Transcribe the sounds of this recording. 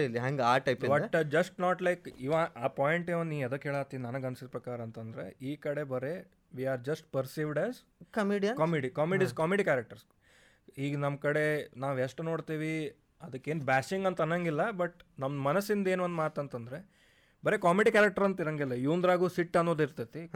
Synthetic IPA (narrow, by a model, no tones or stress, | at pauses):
ilːiɦãŋɡaːʈɐjpibɐd͡ʒɐsʈnaːʈlɐjkiʋaaːpaːjeɳʈeːʋɐnd̪niːɐd̪ɐkːɦeːɭaːt̪ːiʋinɐnɐɡɐnsid̪pɾɐkaːɾɐːnt̪ɐnd̪ɾḛiːkɐɽe̞bɐɾe̞ | ʋiːaːɾd͡ʒɐsʈ̚pɐɾsiːʋɖɛz | kɐmiɖijɐnkɐmiːɖikaːmeɖiskaːmeɖikæːɾɐk̚ʈɐɾs | hiːɡɐnɐmkɐɽe̞naːʋeʂʈeno̞ːɽt̪iːʋi | ɐd̪ɐkːeːnbæːsiŋɡɐnt̪ɐnːɐŋɡilːɐbɐʈnɐmmɐnɐsːind̪eːnʋɐnd̪maːt̪ɐnt̪ɐnd̪ɾe̞ | bɐɾe̞kaːmeɖikæːɾɐk̚ʈɐɾɐnt̪iɾɐŋɡilːɐjuːnd̪ɾaːɡuːsiʈːɐnːoːd̪iɾt̪ɐt̪i